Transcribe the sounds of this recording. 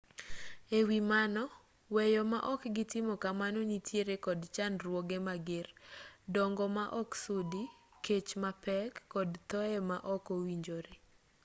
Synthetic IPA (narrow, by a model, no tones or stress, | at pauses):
ewimanɔ | wɛjɔmaʔɔkɡɪtɪmɔkamanonitjeɾekɔdt͡ʃanɾwoɡemaɡɪrdɔŋɡɔmaʔɔksudi | ket͡ʃmapɛkːɔdtɔɛmaʔɔkowiɲd͡ʒoɾe